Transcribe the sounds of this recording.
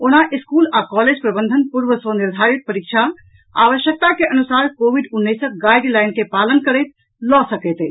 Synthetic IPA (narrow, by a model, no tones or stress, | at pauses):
onaʔiskulakɔled͡ʒpɾəbənd̪ʱənpuɾbəsʋəniɾd̪ʱaɾit̪̚pəɾik̚t͡ʃʰa | a̰ʋəʃjək̚t̪akeʔənusaɾkobʱiɖunːəsəɡajɖlaɪnkepalənkəɾəjt̪̚ | lɔsəkɛjt̪ɛ